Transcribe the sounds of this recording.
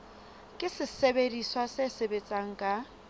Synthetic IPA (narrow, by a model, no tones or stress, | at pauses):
kʼɪsɪsebediswasesebet͡sʼaŋ̩kʼa